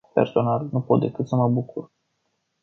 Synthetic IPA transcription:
pe̞̰rso̞nalnupo̞t̪̚d̪e̞kɨt̪səməbukur

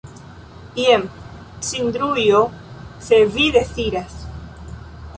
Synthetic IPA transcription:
bjem | sind̪ɾujoseβiðeθiɾas

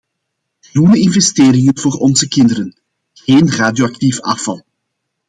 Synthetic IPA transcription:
xrunəɪnvɛsteːrɪŋənvoːrɔnzəkɪndəɾən | ɣeːnraːdjoɑk̚tifɑfɑlˠ

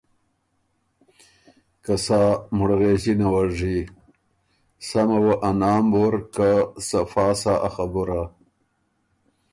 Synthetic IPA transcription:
kasaːmuɽɣeʑinawaʐi | samawɐʔanaːmboɾkasɐfaːsaʔaxabuɾa

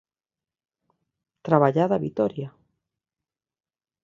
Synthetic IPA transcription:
t̪ɾaβaʎaðaβit̪ɔɾja

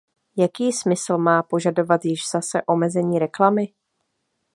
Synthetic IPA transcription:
jakiːsmɪsl̩maːpo̞ʒado̞vat̪jɪʒz̥asɛʔo̞mɛzɛɲiːɾɛklamɪ

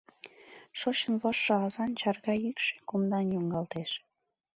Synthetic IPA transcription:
ʃot͡ɕənβɑʃːɤɑzɑnt͡ɕɑrɣɑykʃe̥komd̪ɑnjoŋɡɑlt̪eʃ

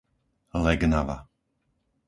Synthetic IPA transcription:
əlɛɡənava̰

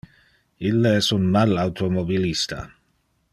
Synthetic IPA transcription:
ilːeɛsunmalawt̪ʰomobilist̪a̰

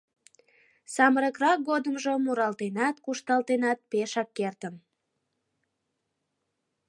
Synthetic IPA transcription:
sɑməɾəkrɑk̚ɡod̪əmʒomuɾɑlt̪enɑt̪kuʃt̪ɑlt̪enɑt̪̚peʃɑkːert̪ən

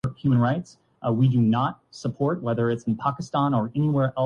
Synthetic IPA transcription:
hjumə̃nɹaɪts | widɨnət̚səpʰɔɹt̚wɛðə˞ɨtsn̩pʰɑkɨstɑ̃nə˞ɛniwɛɹʔɛ

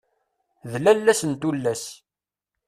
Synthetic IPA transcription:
ðlælːæsənt̪ulːæs

